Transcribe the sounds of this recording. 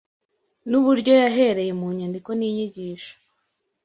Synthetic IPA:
nuβuɾɟo̞jaɦe̞ɾe̞je̞muːɲandiko̞niːɲiɟiːʃo̥

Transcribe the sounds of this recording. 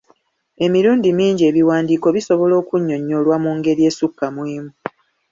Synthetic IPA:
e̞miɾuːndimiːɲɟe̞βiwaːndiːko̞βiso̞βo̞lo̞ːkuɲːo̞ɲːo̞lwamuːŋɡe̞ɾje̞ːsukːamwiːmu

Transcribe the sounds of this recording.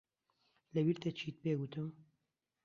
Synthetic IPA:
lɛwiɾt̪et͡ʃʰiːt̪̚peːɡut̪ɨm

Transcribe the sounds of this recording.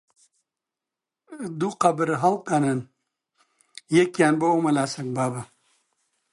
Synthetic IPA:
d̪uqɐbɨɾɦɐlkɐnɐn | jekjaːnbɐomɐlaːsɐŋbaːbɐ

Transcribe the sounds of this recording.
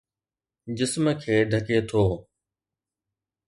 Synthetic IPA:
d͡ʑɪsmkʰeːɖʱɐket̪ʰoː

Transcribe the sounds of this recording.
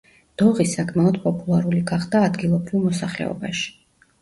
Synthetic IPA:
d̪̥ɔʁisakʼʰmaɔd̪pʼɔpʼulˠaɾuliɡaʁd̪aːd̪ɡilˠɔbɾilˠmɔsaχlɛ̰ɔ̰baʃi̥

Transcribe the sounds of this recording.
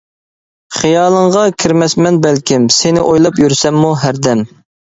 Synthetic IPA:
χijɑːlˠəɴʁɑkʲʰiɾmɛsmɛnbɛlkʲɪmsɪnɪʔojlˠɑpjyɾsɛmːuɦæɾd̪ɛm

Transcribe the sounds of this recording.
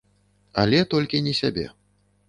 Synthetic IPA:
a̰lʲɛt̪ɔlʲkʲinʲɛsʲabʲɛ̰

